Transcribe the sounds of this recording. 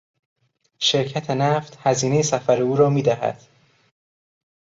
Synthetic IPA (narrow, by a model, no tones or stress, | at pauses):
ʃe̞ɾcʰæt̪ʰe̞næft̪hæziːnejesæfæɾeuːɾɒːmiːd̪æɦæ̰d̪̥